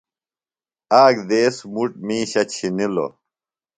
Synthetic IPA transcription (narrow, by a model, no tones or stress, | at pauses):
aːɡd̪eːsmuʈmĩːɕɐt͡ɕʰinilo̰